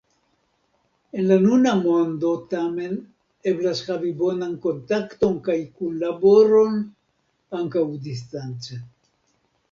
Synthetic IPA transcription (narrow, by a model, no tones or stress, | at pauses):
e̞nlanunamo̞ndo̞tame̞n | e̞blashavibo̞nanko̞nt̪akto̞nkajkunlabo̞ɾo̞n | aŋkawdis̬tant͡se